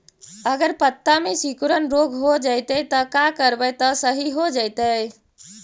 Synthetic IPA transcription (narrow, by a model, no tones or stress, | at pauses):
əɡəɾpət̪ːamesikuɾənɾoɡʱɦod͡ʒaɪt̪ət̪ɔkakəɾbəjt̪ɔsəɦiɦod͡ʒaɪt̪əj